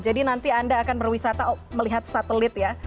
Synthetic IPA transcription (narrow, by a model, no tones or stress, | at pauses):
d͡ʒadinant̪iandaːkanbərwisat̪aməliɦat̪̚sat̪əlɪt̪ja